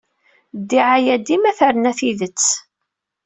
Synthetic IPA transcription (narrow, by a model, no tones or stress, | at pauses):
d̪ːiʕajæd̪imæθæɾənæθiðət͡sː